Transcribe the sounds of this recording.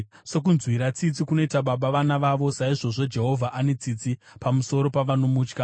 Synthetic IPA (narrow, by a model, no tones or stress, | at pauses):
se̞k̬unzwiɾat͡sit͡sikuno̞itaɓaɓaʋanaʋaʋo̞saiʐo̞ʐo̞d͡ʒe̞ɦo̞vʱaʔane̞t͡sit͡si | pamuso̞ɾo̞paʋano̞muːt͡ʃka